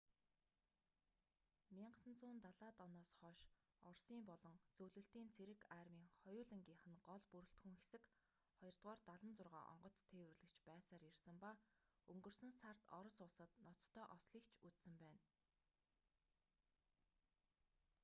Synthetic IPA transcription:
mʲiɴɢsə̆nt͡sʊːnt̪aɮaːt̪ɔnɔːsχɔːʃ | ɔrsiːmpɔɮɞ̆ŋt͡sɵwɮɵ̆ɬt̪iːnt͡sʰeɾɘ̆kaːrmiːŋχɔjʊːɮɘ̆ŋɡʲiːɴχɘ̆nɢɔɮpuɾɵ̆ɬt̪xuŋxe̥sɘ̆k | χɔjɞ̆r̥t̪ʁɔːrt̪aɮə̆nt͡sʊrʁa̰ːʔɔ̰ɴɢɞ̆t͡st̪ʰːeːwɘ̆rɮɘ̆kt͡ɕʰpæːsaːɾjersɘ̆mpaɵŋɡɵ̆rsɵ̆nsar̥t̪ɔ̰ɾɞ̆sʊɮsə̆t̪nɔt͡st̪ʰːœːʔɔsɮiːkt͡ɕʰut͡ssɘ̆mpæːn

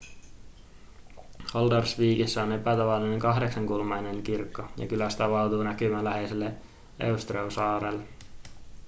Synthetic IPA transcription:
holdɑrsʋiːkisːæo̞ne̞pæt̪ɑʋɑlːine̞ŋkɑɦde̞ksɑŋkulmɑjne̞ŋkirkːojɑ̰kylæst̪æʋɑlt̪uːnækymænlæɦe̞selːe | ʔḛust̪reusɑːɾelːe

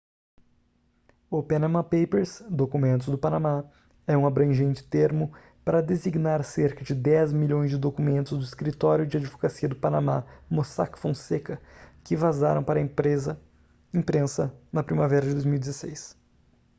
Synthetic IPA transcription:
ʊpanamɐ̃pejpeɾsd̪okumẽnt̪̬ʊzd̪ʊpanama | ɛũabɾɐ̃ʒẽnt͡ʃɪ̥t̪eɾmʊ | paɾɐd̪eziɡnaɾseɾkɐd͡ʒɪd̪ɛzmiʎõj̃zd͡ʒɪd̪okumẽnt̪ʊzd̪ʊiskɾit̪ɔɾjʊd͡ʒɪad͡ʒɪvokasiɐd̪ʊpanama̰mosa̰kfõsekɐkɪvazaɾɐ̃w̃paɾɐẽpɾezɐ | ẽpɾẽsɐnɐpɾimavɛɾɐd͡ʒɪd̪ojzmiwid͡ʒɪzesejs

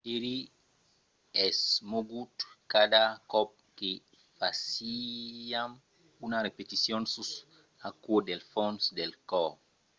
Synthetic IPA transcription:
eli | ɛsmoɡut̪kad̪akɔp̚ke | fasiam | unarepet̪isjonsus | akuod̪elfõnsd̪elkɔ

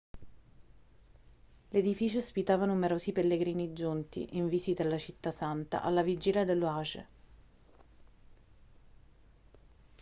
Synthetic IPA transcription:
led̪ifiːt͡ʃospit̪aːvanumeɾoːsipelːeɡɾiːnid͡ʒːunt̪ḭʔiɱviːsid̪elːat͡ʃit̪ːasant̪a̰ʔalːavid͡ʒiːljad̪elːoaːʒḛ

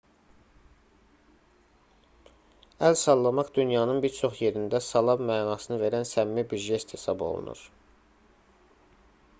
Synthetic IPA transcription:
ælsɑlˠːɑmɑχd̪ynjɑːnɯnbiɾt͡ʃʰo̞χje̞ɾind̪æsɑlˠɑbmæːnɑːsɯnɯve̞ɾænsæmːibyʒest̪ʰesɑbo̞̰lˠṵnṵɾ̥

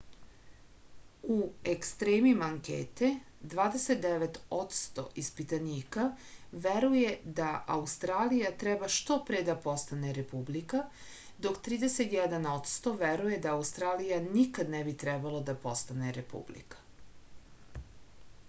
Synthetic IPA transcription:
uekst̪ɾeːmimaŋkḛːt̪e | d̪ʋaːd̪eset̪̚d̪eʋet̪o̞t̪st̪o̞̰ʔispit̪aniːkaʋeɾuje̞d̪aʔa̰ust̪ɾaːlijat̪ɾɛbaʃt̪o̞pɾed̪apo̞st̪aneɾepublika | d̪o̞kt̪ɾiːd̪eset̪jɛd̪ano̞t̪st̪o̞ʋeɾuje̞d̪aːust̪ɾaːlijanikad̪nebit̪ɾɛbalˠod̪apo̞st̪aneɾepṵblḭkḁ

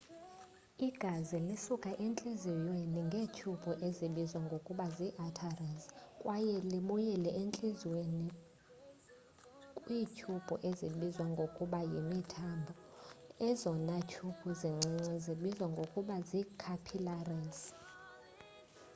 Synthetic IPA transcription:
iɡ̥ʱazilisukʼaʔent͡ɬʼizijweniŋɡʱeːcʰub̥ʱuʔeziɓizwaŋɡʱokʼuɓaziʔatʰarɛzkʼwajɛliɓujɛlɛʔent͡ɬʼizweni | kʼwiːcʰub̥ʱuʔeziɓizwaŋɡʱokʼuɓajimitʰambʱɔɛzɔnacʰupʰuziŋ͡ǀiŋ͡ǀɛziɓizwaŋɡʱokʼuɓazikʰapʰilarɛs

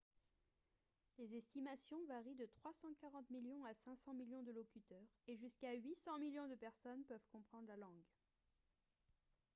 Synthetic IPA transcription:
lezɛst̪imasjɔ̃vaʁid̪ət̪χwasɑ̃kaʁɑ̃t̪miljɔ̃asɛ̃sɑ̃miljɔ̃d̪əlɔkʲyt̪œʁeʒyskaɥisɑ̃miljɔ̃d̪əpɛʁsɔnpœvkɔ̃pχɑ̃d̪ʁlalɑ̃ɡ

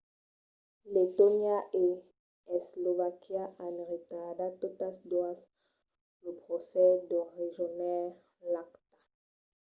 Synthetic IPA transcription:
let̪onjaʔe | ɛslovakjaʔanʁit̪adat̪ot̪asd̪was | lopχɔsɛd̪ɔʁeʒɔnɛ | lakt̪ḁ

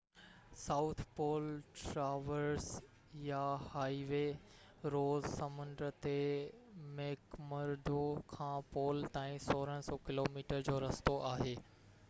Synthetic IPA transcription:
saʊt̪ʰpoːlʈɾaːʋəɾs | jahaːiʋe | ɾoːzsɐmʊ̃nd̪ɾət̪e | meːkmɐɾd̪ʱokʰãːpoːlt̪aːĩsoːɾəɽ̃sɔːkɪloːmiːʈəɾd͡ʑoːɾɐst̪oʔaːɦeː

